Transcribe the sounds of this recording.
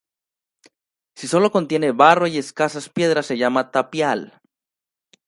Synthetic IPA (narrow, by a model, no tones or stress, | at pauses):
siso̞lo̞ko̞nt̪je̞ne̞βaro̞ie̞skasaspje̞ð̞ɾasːe̞ʝamat̪apjal